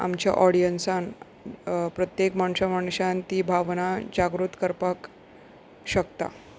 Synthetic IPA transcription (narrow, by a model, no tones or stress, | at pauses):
a̰mt͡ɕja̰ʔɔɽijənsan | pɾət̪jekmaɳ̃ɕamaɳɕant̪iːbʱaʋnad͡ʑaɡɾut̪kəɾpak | ɕəkt̪a̰